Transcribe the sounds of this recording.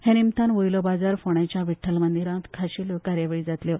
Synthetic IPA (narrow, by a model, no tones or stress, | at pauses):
hẽnimt̪anʋojlɔbad͡zaɾfoɳjat͡ɕjaʋiʈʰːəlmənd̪iɾãt̪kʰaɕiːləkaɾjaʋeɭiːd͡zat̪ljɔ